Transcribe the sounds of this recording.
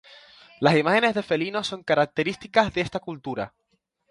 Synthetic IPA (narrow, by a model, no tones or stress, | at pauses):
lasimaxe̞ne̞zðe̞fe̞linoso̞ŋkaɾak̚t̪e̞ɾist̪ikazðe̞st̪akult̪uɾa̰